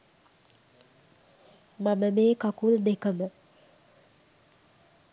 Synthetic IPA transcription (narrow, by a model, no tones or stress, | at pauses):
maməmeːkakuld̪ekəmə